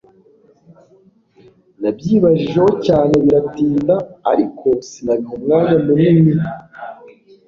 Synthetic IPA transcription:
nabjiːβaʒiʒe̞ɦo̞caːne̞βiɾatiːnda̰ːɾikʰo̞sinaβihumŋaːŋamunimi

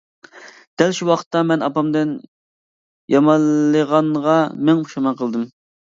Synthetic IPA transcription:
d̪̥ɛlʃuwɑqʰə̥t̪ːɑmɛnɑpɑmd̪ɪn | jɑmɑlˠːəʁɑɴʁɑmɛŋuʃɑmɑqʰəlˠd̪ɨm

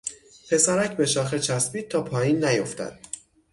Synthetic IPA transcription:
pʰe̞sæɾæcʰbe̞ʃɒːxet͡ʃʰæsbiːt̪̚ʰːɒːpʰɒːjiːnːæjoft̪æ̰d̪̥

